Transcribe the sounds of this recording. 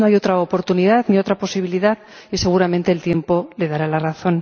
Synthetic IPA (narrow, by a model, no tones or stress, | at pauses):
o̞ajo̞t̪ɾaopo̞ɾt̪unið̞aðnio̞t̪ɾapo̞siβ̞iliðað | ise̞ɣ̞uɾamẽ̞nt̪e̞ːlt̪je̞mpo̞le̞ðaɾalaraθo̞n